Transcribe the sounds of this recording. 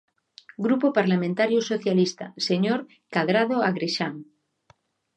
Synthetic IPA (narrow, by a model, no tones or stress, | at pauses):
ɡɾupopaɾlamẽnt̪aɾjosoθjalist̪aseɲoɾ | kaðɾað̞oaɣɾeʃaŋ